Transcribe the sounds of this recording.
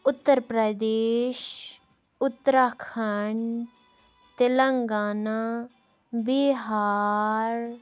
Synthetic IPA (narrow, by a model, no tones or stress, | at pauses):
ʊt̪ːəɾpɾəd̪eːʃ | ʊt̪ːəɾaːkʰəɳ | t̪eləŋɡaːna | biɦaːɾ